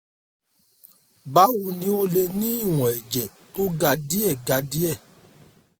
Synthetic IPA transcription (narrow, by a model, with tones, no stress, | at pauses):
ba˨˦wu˧nĩ˦o˧le˧nĩ˦i˦˨w̃ɔ̃˨ɛ˨d͡ʒɛ˨ | to˦ɡa˧di˦ɛ˦˨ɡa˧di˦ɛ˦˨